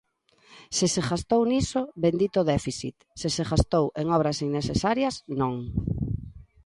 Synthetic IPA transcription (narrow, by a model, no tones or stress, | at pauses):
seseɣast̪ownisʊbend̪it̪oðɛfiθḭt̪seseɣast̪oweŋɔβ̞ɾɐsinːesesaɾjɐsnõŋ